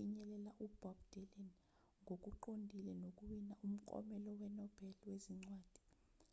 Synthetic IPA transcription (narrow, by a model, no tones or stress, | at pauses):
iɲɛlɛlaʔub̥ʱabd̥ʱɛlɛn | ŋok̬ʼuǃondʱilɛnok̬ʼuwinaʔum̩ǃʼɔ̰mɛlɔwɛnɔb̥ʱɛliweziŋ͡ǀwaːd̥ʱi